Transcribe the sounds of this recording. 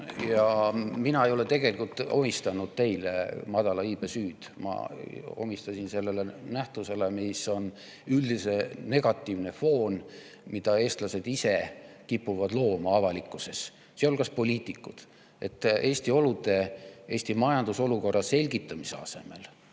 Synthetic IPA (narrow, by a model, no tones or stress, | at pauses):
jɑminɑe̞jo̞le̞t̪e̞ɡ̥e̞likult̪ːˑo̞mist̪ɑnud̪̥̚t̪e̞jlḛmɑd̪̥ɑlɑiːb̥esyːd̪̥mɑ̰o̞̰mist̪ɑsinse̞lːe̞lenæht̪use̞le̞miso̞n | yld̪ise̞ne̞ɡ̥ɑt̪ːˑivne̞fo̞ːn | mid̪̥ɑe̞ːst̪lɑse̞d̪ise̞kipːuvɑd̪lo̞ːmɑɑvɑlikːˑuse̞s | seo̞lkɑspo̞lʲiːt̪ˑikːˑud̪̥ | e̞̰t̪ːˑe̞ːsʲt̪io̞lud̪̥e̞ʔe̞ːsʲt̪imɑjɑnd̪̥uso̞luko̞rːɑse̞lʲɡit̪ːˑɑmise̞ɑ̰se̞̰me̞̰l